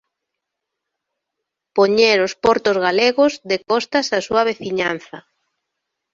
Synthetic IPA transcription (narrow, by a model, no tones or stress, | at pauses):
poɲeɾospɔɾt̪ozɣaleɣʊzðekɔst̪asasuɐβ̞eθiɲan̟θɐ